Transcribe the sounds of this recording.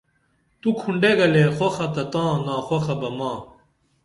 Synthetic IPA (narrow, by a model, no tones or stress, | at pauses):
t̪ukʰuɳɖeɡɐlexoxɐt̪ɐt̪ãːnãːxwoxɐbɐmãː